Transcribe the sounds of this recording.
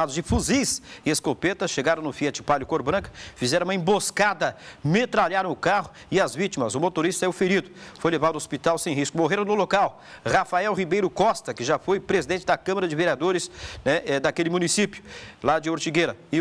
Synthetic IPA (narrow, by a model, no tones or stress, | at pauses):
ad̪ʊzd͡ʒɪfuzijsɪeskopet̪ɐsʃeɡaɾɐ̃nʊfiɛt͡ʃɪpaljʊkoɾbɾɐ̃kɐ̥fizɛɾɐ̃ũmɐẽboskad̪ɐmet̪ɾaljaɾɐ̃w̃ʊkaɦʊ | ɪɐzvit͡ʃimɐzʊmot̪oɾist̪ɐɛʊfeɾid̪ʊfojlevad̪ɐospit̪awsẽj̃ɦiskʊmoɦeɾɐ̃w̃nʊlokaw | hafaɛwɦibejɾʊkɔst̪ɐkɪʒafojpɾezid̪ẽt͡ʃɪd̪ɐkɐ̃mɐɾɐd͡ʒɪveɾiad̪oɾɪsnɛʔɛd̪akelɪmũnisipjʊlad͡ʒɪoɾt͡ʃiɡeɾɐɪ